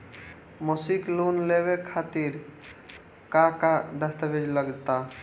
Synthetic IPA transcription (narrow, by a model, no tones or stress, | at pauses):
mosiklonlebekʰat̪iɾ | kakad̪əst̪əbʱed͡ʒləɡt̪a